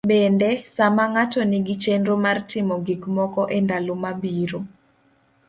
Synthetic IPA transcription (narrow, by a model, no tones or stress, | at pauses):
bɛndɛsamaŋatɔnɪɡit͡ʃenɾomartɪmɔɡiɡmɔkɔʔendalomabiɾo